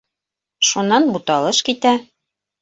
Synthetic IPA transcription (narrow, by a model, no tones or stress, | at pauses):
ʃunːɑnbut̪ɑlˠɤʃkit̪æ